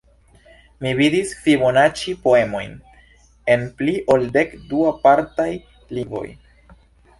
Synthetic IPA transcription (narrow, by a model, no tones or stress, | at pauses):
mividisfibonat͡ʃipo̞e̞mo̞̰jn | e̞npliʔo̞lde̞kduapaɾtaj | livo̞̰j